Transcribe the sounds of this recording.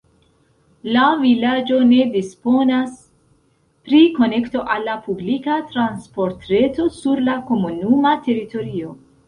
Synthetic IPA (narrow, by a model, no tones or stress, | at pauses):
lavilad͡ʒo̞ne̞dispo̞nas | pɾiko̞ne̞kto̞ʔalːapublikatɾanspo̞ɾtɾe̞to̞suɾlako̞munumate̞ɾito̞ɾio̞